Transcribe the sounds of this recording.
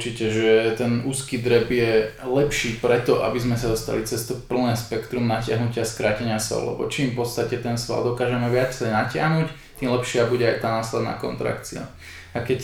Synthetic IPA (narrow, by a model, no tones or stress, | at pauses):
ut͡ʃicɛʒɛt̪ɛnuːskiːd̪ɾɛbjɛlɛpʃiːpɾɛt̪ɔʔa̰bizmɛsad̪ɔst̪a̰lit͡sɛst̪ɔpl̩nɛːspɛkt̪ɾumnacɪaɦnucɪaskɾaːcɛɲɪasɔ̰ʊlɛ̰bɔ̰t͡ʃiːmfpɔt̪st̪acɛt̪ɛnsʋa̰ld̪ɔkaːʒɛmɛʋɪat͡sɛnacɪa̰ɦnuc | t̪iːmlɛpʃɪabuɟɛajt̪aːnaːslɛd̪na̰ːkɔ̰nt̪ɾa̰kt͡sia̰ | akɛc